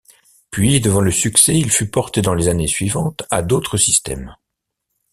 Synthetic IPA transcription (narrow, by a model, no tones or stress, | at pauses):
pɥid̪əvɑ̃ləsyksɛilfypɔʁt̪ed̪ɑ̃lezanesɥivɑ̃t̪ad̪ot̪χəsist̪ɛ̰m